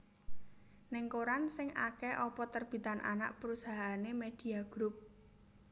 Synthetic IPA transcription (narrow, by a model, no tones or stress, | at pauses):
nɪŋkoɾansɪŋakɛʔɔpɔt̪ərb̥i̤t̪anʔa̰na̰ʔpəɾusaɦanemed̪̥i̤aɡ̥ɾup̚